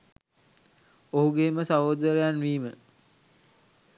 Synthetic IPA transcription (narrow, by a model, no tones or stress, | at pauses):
oɦuɡeːməsaʋod̪əɾejanʋiːmə